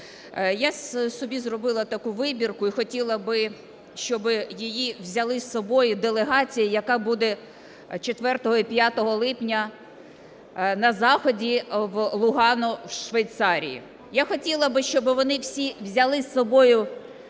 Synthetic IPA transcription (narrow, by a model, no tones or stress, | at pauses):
jassɔbʲizrɔbɪlˠɐt̪ɐkuʋɪbʲirkʊixɔtʲilˠɐbɪ | ʃt͡ʃɔbɪjijiwzʲɐlˠɪsɔbɔjʊd̪elˠeɦɑt͡sʲijɐjɐkɑbud̪ɛ | t͡ʃet̪ʋɛrt̪ɔɦɔipʲjat̪ɔɦɔlˠɪpnʲɐ | nɐzɑxɔdʲiʋlˠʊɦɑnɔwʃʋejt̪sɑɾʲḭjḭ | jaxɔtʲilˠɐbɪʃt͡ʃɔbɪʋɔnɪwsʲiwzʲɐlˠɪsːɔbɔjʊ